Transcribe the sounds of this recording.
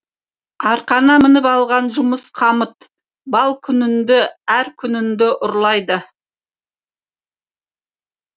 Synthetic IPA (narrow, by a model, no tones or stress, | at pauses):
ɑɾqɑnɑmɪnəpɑlˠʁɑnʒʊməsqʰɑmət̪ | bɑlˠkʲʰʏnɪnd̪ɪæɾkʲʰʏnɪnd̪ɪʔʊɾlˠɑjd̪ə